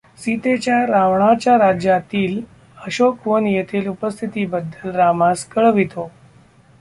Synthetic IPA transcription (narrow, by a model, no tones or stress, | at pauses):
sit̪et͡ɕjaɾaʋɳ̃at͡ɕjaɾad͡ʑjat̪iːl | əɕokʋonjet̪ʰiːlupəst̪ʰit̪iːbəd̪ʱːəlɾamaskəɭʋit̪o